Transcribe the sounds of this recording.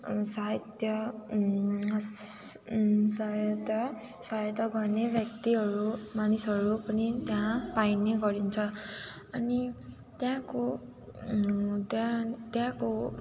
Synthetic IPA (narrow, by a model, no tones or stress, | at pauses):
saɦʌt̪jʌ | sajt̪ʌ | sajʌt̪ʌɡʌrnebʱjʌk̚t̪iɦʌɾumanisʌɾupʌnit̪jãpajneɡʌɾint͡sʰʌ | ʌni | t̪jãko | t̪jãt̪jãko